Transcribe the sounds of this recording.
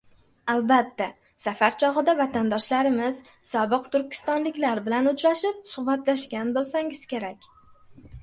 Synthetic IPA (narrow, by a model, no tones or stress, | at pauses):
albat̪ːa | safaɾt͡ʃʰɒʁɨd̪avat̪ʰand̪ɒʃlaɾɪmɪz̥ | sɒbɨqt̪ʰʊɾkʲɪ̥st̪ɒnlɪkʲlaɾbɪlanʊt͡ʃʰɾaʃɪp̚sʊhbat̪laʃkʲanbolˠsaŋɪz̥kʲe̞ɾakʲ